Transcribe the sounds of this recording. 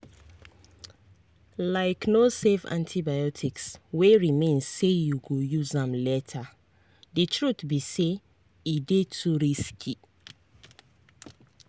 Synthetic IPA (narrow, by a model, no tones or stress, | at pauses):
laɪknosevã̰ntʰibajɔtʰiksweɹimẽnzsejuɡojuzãmlɛtʰa | ditʰɹutbise | idetʰuɹiskʰi